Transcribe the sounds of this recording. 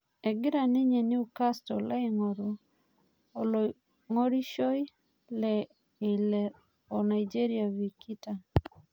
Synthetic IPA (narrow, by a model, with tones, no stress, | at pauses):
ɛ˨ɡɪ˦ɾa˨nɪ˦ɲe˨nɪ˦u˨ka˦stɔla˦iŋɔ˨ɾu˨ | o˨lo | ŋo˦ɾi˦ʃɔ˦j | lɛ | e˨lɛ | ɔ˨na˨id͡ʒe˦ɾia˨vi˨ki˦ta˨